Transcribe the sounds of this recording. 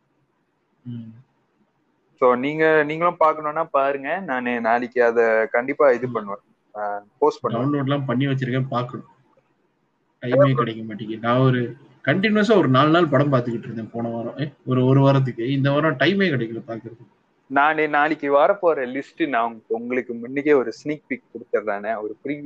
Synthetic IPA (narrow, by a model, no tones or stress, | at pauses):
soːniːŋɡɐniːŋɡɐɭʊ̃paːɾkɐɳõːnːaːpaːɾɯŋɡɐnaːnenaːɭɪkːɯɐðɐkɐɳɖɪpːaːɪðɯpɐɳːɯʋɐ̃ | poːspɐɳɖɐʊnloːʈ̬lãːpɐɳːiʋɐt͡ʃːɯɾɯkːɐpaːɾkɐɳʊ̃ | ʈɐɪmeːkɐɽɐɪkːɐmaːʈːɪŋɯnaːɔɾɯ | kɐɳʈɪnɯʋɐs̬aːɔɾɯnaːlnaːlpɐɽɐmpaːɾt̪ɯkːɪʈːɾɯnd̪ẽpoːɳɐʋaːɾɐ̃ɔɾɯɔɾɯʋaɾɐt̪̬ːɯkːɯɪnd̪ɐʋaːɾɐ̃ʈɐɪmeːkɐɽɐɪkːɐlɐpaːɾkɯɾɐðɯ | naːnenaːlɪkːɯʋaːɾɐpoːɾɐlɪsʈɯnaːʊŋɡkːʊŋɡɐɭɯkːɯmʊnːɪkːeɔɾɯsniːk̚pik̚kɔɽɯt̪ːɐɾlaːnɛɔɾɯpɾi